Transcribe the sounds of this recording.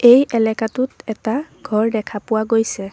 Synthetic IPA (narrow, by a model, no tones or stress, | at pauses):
ejʔɛlɛkatʊtɛtaɡʱɔɹdɛkʰapʊwaɡojsɛ